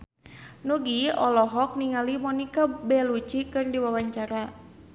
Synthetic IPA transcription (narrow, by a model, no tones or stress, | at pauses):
nuɡiɔlɔɦɔk̚niŋalimɔnikabɛlut͡ʃikɨrdiwawaɲt͡ʃaɾa